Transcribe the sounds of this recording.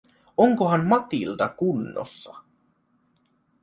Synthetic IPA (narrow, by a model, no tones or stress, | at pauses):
oŋkoɦɑmmɑt̪ilt̪ɑkunːo̰sːɑ